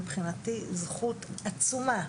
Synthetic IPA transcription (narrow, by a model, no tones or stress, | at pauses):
bχinatizχutat͡suma